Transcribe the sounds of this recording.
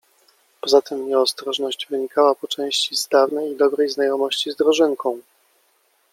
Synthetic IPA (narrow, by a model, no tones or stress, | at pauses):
pɔzat̪ɘmɲɛɔst̪ɾɔʐnɔɕd͡ʑvɘɲikawapɔt͡ʂɛ̃w̃ɕt͡ɕiz̥d̪avnɛjid̪ɔbɾɛjznajɔmɔɕt͡ɕizd̪ɾɔʐɘŋkɔ̃w̃